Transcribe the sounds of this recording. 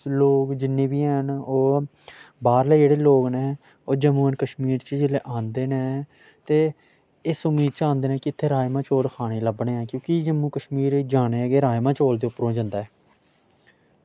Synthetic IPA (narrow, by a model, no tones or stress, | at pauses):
loːkd͡ʒɪnːẽːbiːənoː | baːɾleːd͡ʒeːɽeːloːkneː | oːd͡ʒəmuːnkəʃmiːɾt͡ʃəd͡ʒɪleːʔãːnd̪eːneː | t̪eː | ɪsʊmiːd̪̚t͡ʃãːnd̪eːnɛ̃ːkɪɪt̪ʰːeːɾaːjmãːt͡ʃoːlkʰaːɽ̃eːləbɳeːãːkjõːkid͡ʒəmːũːkəʃmiːɾd͡ʒaːneːɡeːɾaːjmãːt͡ʃoːld̪eːʊpɾõːd͡ʒənd̪aːɛː